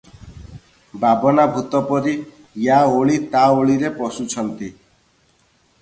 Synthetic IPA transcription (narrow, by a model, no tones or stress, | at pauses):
babɔnabʱut̪ɔpɔɾi | jaoɭit̪aoɭiɾepɔsut͡ʃʰɔnt̪i